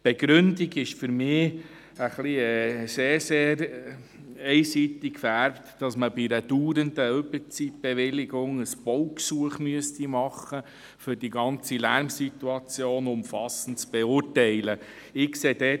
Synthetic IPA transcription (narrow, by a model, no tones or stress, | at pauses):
b̥ɛɡɾʏndiɡɪʃfʏɾmɪː | əχliɛseːɾseːɾ | ɛɪsit̪ikfæɾptd̥ɑsməbidəd̥uːɾənd̪əøbəɾt͡sit̚b̥ɛʋɪlɪɡʊŋəsb̥ɔwksuəχmyəstimɑχə | fʏɾd̥iɡɑnt͡silæɾmsit̪uɑt͡sjoːnʊmfɑsən̩t̚t͡sb̥eʊtɛɪlə | ɪkseːd̥ɛ